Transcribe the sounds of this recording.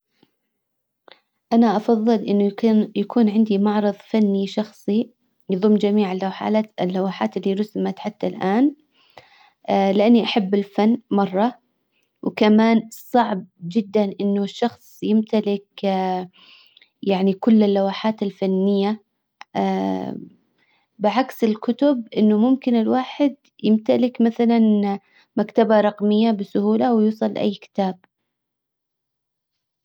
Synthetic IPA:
ʔanaʔɑfɑðˤːɨlʔɪnːʊjakuːnʕɪnd̪imɑʕɾˤɑðˤfanːiʃɑxsˤi | jðˤʊmːd͡ʒamiːʕɪlːawħa̰ːlaːɪ̰lːawaːħaːt̪ɪlːiɾʊsɪmat̪ħat̪ːalʔaːn | lɪʔanːiʔaħabːɪlfanːmɑrˤːɑ | wkamaːnsˤɑʕb̚d͡ʒɪd̪ːanʔɪnːʊʃːɑxsˤjɪmt̪alɪk | jaʕnikʊlːɪlːawaːħaːt̪ɪlfanːɪjːa | bɪʕaksɪlkʊt̪ʊb̚ʔɪnːʊmʊmkɪnɪlwaːħɪd̪ | jɪmt̪alɪkmaθalan | makt̪abaɾˤɑqmɪjːabɪsʊhuːlawjuːsˤɨlːʔa̰jːkɪ̥t̪aːb̚

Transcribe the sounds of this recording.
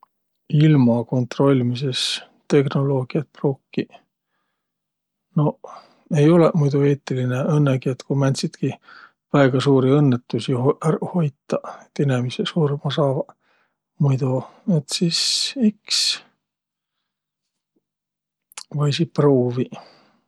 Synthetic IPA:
ilmɑko̞nt̪ro̞lʲːmis̬e̞s | t̪e̞hno̞lo̞ːɡ̥iɑt̪̚proːkːi | no̞ | e̞jo̞le̞mujd̪ue̞ːt̪ːˑilineɤnːeɡiet̪kumænʲt̪ʲsit̪ki | væeɡ̥ɑsuːɾiɤnːet̪ːˑusiɑruho̞jt̪ːɑet̪ːinemisesuːɾemɑsɑːvɑ | mujd̪̥uet̪sisiks | vɑjsiproːvi

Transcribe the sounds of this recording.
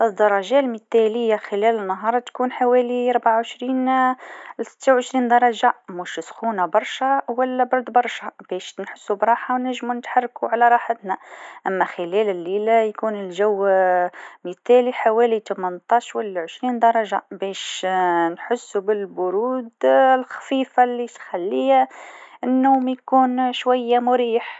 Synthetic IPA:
ʔəd̪ɑɾˤɑʒælmət̪ːæləjːaxəlælənːɦɑɾˤt̪kunħawæliɑɾˤbaʕʕəʃɾin | sə̥t̪ːawʕəʃɾind̪ɑɾˤɑʒamuʃsxunabɑɾˤʃawælːæbɑɾˤd̪bɑɾˤʃab̥æʃnħʊsːubɾˤɑħawnæʒːmunət̪ħɑrˤːkuʕlæɾˤɑħət̪næʔæmːæxəlæləlːilæjkunəlʒæwː | mət̪ːæliħawælit̪əmənt̪ˤɑʃwəlːæʕəʃɾiːnd̪ɑɾˤɑʒabæʃnħʊsːubəlbʊɾud̪lxæ̥fifalːit̪xælːiæʔənːumæjkunʃwæjːamʊɾiːħ

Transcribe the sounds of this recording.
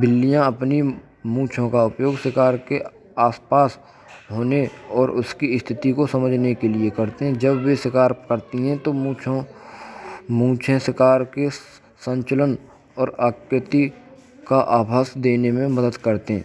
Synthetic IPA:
bɪlːijãəpni | mũːt͡ʃʰõkaʊpjoːɡsəkaːɾke | aːspaːs | ɦoːneɔːɾʊskiɪst̪ʰɪt̪ikosəməd͡ʒʱnekeliekəɾt̪eɦɛ̃d͡ʒəbʋesəkaːɾkəɾt̪iɦɛ̃t̪õːt͡ʃʰõ | mũːt͡ʃʰẽsəkaːɾke | sə̃ɲt͡ʃələn | ɔːɾaːkɾət̪ikaʔaːbʱaːsd̪eːnemẽməd̪əd̪kəɾt̪eɦɛ̃ː

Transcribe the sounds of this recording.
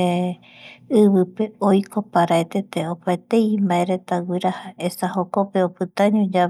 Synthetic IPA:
e | ɨβɨpe̞ojkʰopaɾaet̪e̞t̪eopaet̪e̞imbaʔeɾe̞t̪awiɾahaesahokopeopɨt̪aɲõd͡ʒa

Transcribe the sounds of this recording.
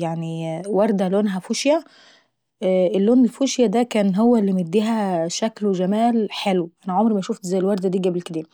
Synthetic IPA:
jaʕniwɑɾˤd̪æloːnɦæfuʃjæ | ʔelːoːnelfuʃjæd̪ækæːnɦowːælːimed̪ːiːɦæʃæklweɡæmæːlħelwʔænæʕomɾmæʃuft̪zæjːelwɑɾˤd̪æd̪iːɡæbleked̪iːm

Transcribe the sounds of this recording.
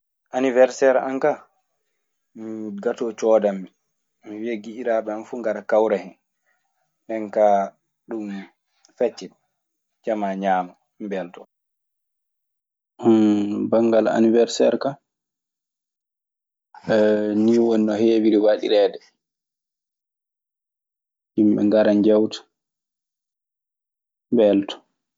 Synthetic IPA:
ʔanivɛɾsɛɾa̰ŋka | miɡatɔt͡ʃɔːdamːi | miweɡiːɾaːbɛanfuŋɡaɾakawɾahɛnː | dɛnka | ɗum | fɛt͡ʃːɛ | d͡ʒamaɲaːma | mbɛltɔ | hɔnbaŋɡala̰nivɛɾsɛɾka | niːwɔnːɔheːwiɾiwaɗḭɾɛːdɛ | himɓɛ̰ŋɡaɾaɲd͡ʒawtḁ | mbɛltɔ̥

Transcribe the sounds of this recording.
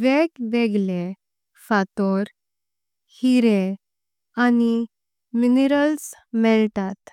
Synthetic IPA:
ʋɛkʋɛɡle | fat̪ɔɾ | hiɾe | ani | mineɾəls | mɛɭt̪at̪

